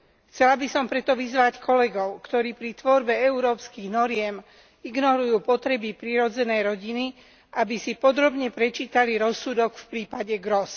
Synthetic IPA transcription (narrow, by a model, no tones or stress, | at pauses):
xt͡sɛlabisɔmpɾɛt̪ɔʋizʋackʰɔlɛɡɔʊkt̪ɔɾiːpɾit̪ʋɔɾbɛɛuɾɔːpskiɣnɔɾɪɛm | iɡnɔɾujuːpɔt̪ɾɛbipɾiɾɔd͡zɛnɛjɾɔɟini | ʔabisipɔd̪ɾɔbɲɛpɾɛt͡ʃiːt̪aliɾɔsːud̪ɔɡfpɾiːpaɟɛɡɾɔs